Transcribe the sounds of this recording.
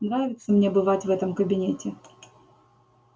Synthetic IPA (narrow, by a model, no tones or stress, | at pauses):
nɾavʲɪt̪səmnʲebɨvatʲvɛt̪əmkəbʲɪnʲetʲɪ